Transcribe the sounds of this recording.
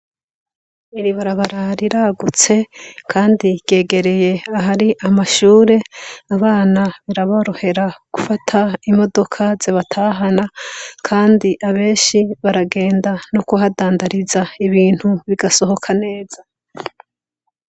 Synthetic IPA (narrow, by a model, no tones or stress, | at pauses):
iɾiβaɾaβaɾaɾiɾaɡut͡se̞kʰaːndiɾɟe̞ːɡe̞ɾe̞je̞aɦaɾiʔamaʃuːɾe̞aβaːnaβiɾaβaɾohe̞ɾaɡ̥ufatʰaimo̞do̞kʰazeβatʰaːɦanakʰaːndiʔaβe̞ːʃiβaɾaɡe̞ːndanokoɦadaːndaɾizaiβiːn̥huβiɡaso̞ho̞kʰane̞ːz̥a